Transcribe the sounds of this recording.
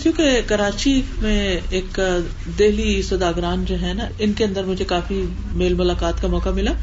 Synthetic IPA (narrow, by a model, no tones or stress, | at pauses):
kjũːkekɐɾaːt͡ʃimẽeːk | d̪eːlisɐd̪aːɡɾaːnd͡ʒoːɦɛnaɪnkeɐ̃nd̪əɾmʊd͡ʒʱekaːfi | meːlmʊlaːkaːt̪kamɔːkamɪlaː